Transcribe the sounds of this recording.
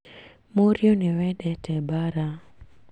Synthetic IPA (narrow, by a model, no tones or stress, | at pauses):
moɾjonewɛdɛtɛbaɾa